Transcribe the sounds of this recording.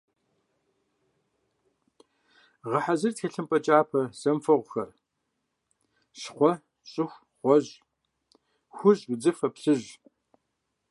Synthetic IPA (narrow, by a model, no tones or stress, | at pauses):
ʁɐħazɨrtxeɬɨmpʼɐt͡ʃʼaːpʰɐz̥ɐmfɐʁʷʊxɐ̰r | ɕχʷɔ | ɕʼɪxʷ | ʁʷɔʑ | xʷʊʑʼɡd͡zɨfɐpɬɨʑ